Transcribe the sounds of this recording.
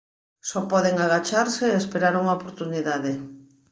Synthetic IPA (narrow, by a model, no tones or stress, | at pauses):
sɔpɔðeŋaɣ̞at͡ʃaɾseespeɾaɾuŋaopoɾt̪uniðaðe